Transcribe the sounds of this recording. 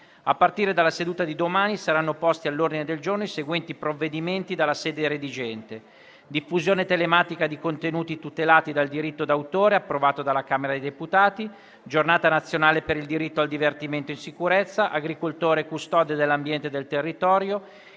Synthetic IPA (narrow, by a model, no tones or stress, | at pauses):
apːart̪iːɾed̪alːased̪uːt̪ad̪id̪omaːnisaɾanːopɔst̪ialːord̪ined̪eld͡ʒornoiseɡwɛnt̪ipɾovːed̪iment̪id̪alːaseːd̪eɾed̪id͡ʒɛnt̪e | d̪ifːuzjoːnet̪elemaːt̪ikad̪ikont̪enuːt̪it̪ut̪elaːt̪id̪ald̪iɾit̪ːod̪awt̪oːɾeapːɾovaːt̪od̪alːakaːmeɾad̪ejd̪eput̪aːt̪i | d͡ʒornaːt̪anat̪sːjonaːlepeɾild̪iɾit̪ːoald̪ivert̪iment̪oinsikuɾɛt̪sːaʔaɡɾikolt̪oːɾekust̪ɔːd̪od̪elːambjɛnt̪ed̪elt̪erːit̪ɔːɾjo